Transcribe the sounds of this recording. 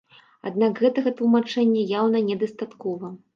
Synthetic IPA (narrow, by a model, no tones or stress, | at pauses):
a̰d̪nakɣɛt̪ɐɣɐt̪lˠumat͡ʂɛnʲːɐjawnɐnʲɛd̪ɐst̪at̪kɔvɐ